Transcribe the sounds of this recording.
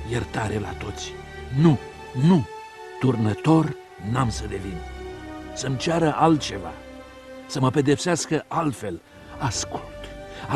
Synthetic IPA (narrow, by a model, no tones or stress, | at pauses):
jert̪aɾe̞la̰t̪o̞t̪sʲ | nu | nu | t̪urnət̪o̞r | namsəd̪e̞vin | səmt͡ʃaɾəʔalt̪̚t͡ʃe̞va̰ | səməpe̞d̪e̞pseaskəʔalt̪fe̞l | askult̪a